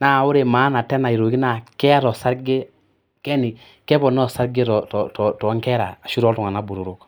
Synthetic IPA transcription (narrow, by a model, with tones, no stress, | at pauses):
na˦˨u˦ɾe˨maː˨˦na˨tɛ˦na˨i˨ɾo˨ki˦na˦˨kɛ˦a˦ɾɔ˨sa˦ɾɡe˦ | kɛ˦ni˨ | kɛ˦pɔ˨nɔ˦˨sa˦ɾɡe˦ɾɔ˨tɔ˨tɔ˨tɔ˨˦ŋkɛ˦ɾa̰˨a˨ʃu˦ɾɔ˨˦tu˨ŋa˨na˦bu˨ɾu˨ɾu˦k